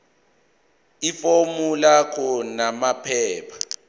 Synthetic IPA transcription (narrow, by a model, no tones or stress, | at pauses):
ifomulakʰɔnamapʰɛːpʰḁ